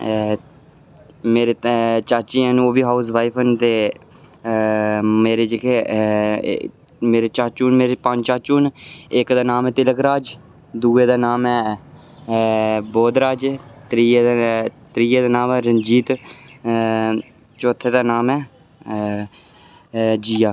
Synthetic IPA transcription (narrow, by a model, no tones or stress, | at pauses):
meːɾet͡ʃaːt͡ʃiːɛ̃noːʋiːɦaːus̬ʋaːipʰənt̪eː | meːɾeːd͡ʒɪkʰe | meːɾeːt͡ʃaːt͡ʃuːnmeːɾepad͡ʒt͡ʃaːt͡ʃuːnɪkd̪aːnaːmɛːt̪ɪləkɾaːd͡ʒ | d̪uːeːd̪aːnaːmɛː | boːd̪ɾaːd͡ʒt̪ɾiː | t̪ɾiːeːd̪aːnaːmɛːɾənd͡ʒiːt̪ | t͡ʃoːt̪ʰːeːd̪aːnaːmɛː | d͡ʒiːaː